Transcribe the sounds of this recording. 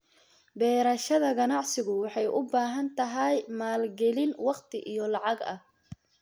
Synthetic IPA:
bɛːɾɐʃɐðɐɡɐnɑʕsɪɣʊwɑħɑjʔʊbaːɦɐnt̪ʰɐɦɐjmaːlɡɛlɪnwɑqt̪ʰɪʔijɔlɑʕɑɡɐ̰h

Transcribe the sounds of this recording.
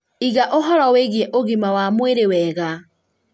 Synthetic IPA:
iɣaʔoɦɔɾaweɣjɛʔoɣimawamweɾewɛːɣa

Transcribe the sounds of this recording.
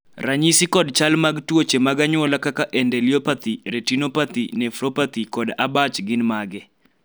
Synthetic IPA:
raɲisikɔdt͡ʃalmaɡtwot͡ʃemaɡaɲwɔlakakaʔɛndɛliɔpat̪iɾetinopat̪inɛfɾopat̪ikɔdabat͡ʃɡɪnmaɡɛ

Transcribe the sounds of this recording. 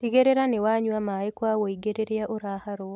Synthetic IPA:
tiɡeɾeɾanewaɲwamajkwawoiɡeɾeɾeaʔoɾahaɾo

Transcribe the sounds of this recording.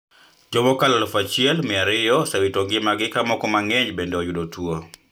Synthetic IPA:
d͡ʒɔmɔkalalfat͡ʃɪɛlmɪaɾɪjɔsawitɔɡɪmaɡɪkamɔkɔmaŋɛɲd͡ʒbendeɔjʊdotʰwo

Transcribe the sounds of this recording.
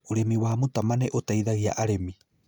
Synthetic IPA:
uɾemiwaːmutamaneʔotajðaɣia̰ʔaɾemi

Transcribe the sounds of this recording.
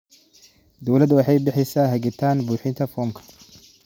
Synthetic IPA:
d̪ɐwlɐd̪wɐħajbɪħɪsaɦɐɡɪt̪ːaːnbuːħɪnt̪ɐfoːmkʰɐ̥

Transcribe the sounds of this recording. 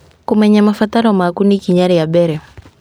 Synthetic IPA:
kumɛɲamafataɾɔmakunikiɲaɾɛjaɓɛɾɛ

